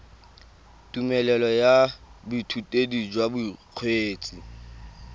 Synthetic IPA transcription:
tʼumɛlɛlɔjabitʰutʼedid͡ʒwabuq͡χʰweːt͡sʼi

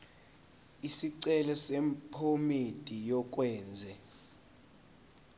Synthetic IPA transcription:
isiǀɛlɛsɛmpʰomed̥ʼijɔk̬ʼwɛːnd͡zʱɛ

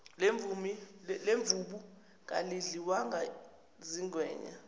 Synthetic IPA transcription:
lɱumileɱvuɓu | k̬ʼa̰liɮiwaŋa | ziŋwɛ̰ːɲa̰

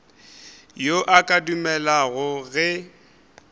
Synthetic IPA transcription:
joʔakʼadumɛlaɣʊɣɛ

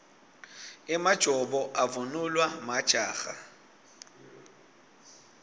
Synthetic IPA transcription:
ɪmad̥ʒ̥ʱɔbɔʔavʊnʊlwamad̥ʒ̥ʱaːɣa̰

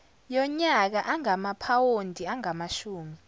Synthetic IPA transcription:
jɔɲak̬aʔaŋamapʰawondʱiaŋamaʃuːmi

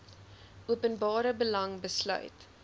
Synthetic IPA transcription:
ʔuəpənbɑːɾəbəlɐŋbəslœ̰ɥt

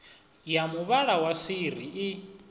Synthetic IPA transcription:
jamuβaɺawasiriʔː

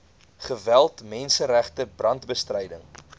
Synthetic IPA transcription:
χəvælˠtmɛnsəɾæχtəbrɐntbəstrəjdəŋ

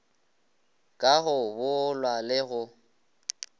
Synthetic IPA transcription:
kʼaɣʊbʊlwalɪɣʊ

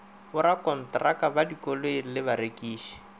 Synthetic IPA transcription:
ʊɾakɔn̩trakabadikɔlwelɪbaɾekʼiːʃi̥

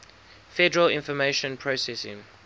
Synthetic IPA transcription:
fɛdəɹəlɪ̃nfɔmeʃə̃npʰɹosɛsɪ̰̃ŋ

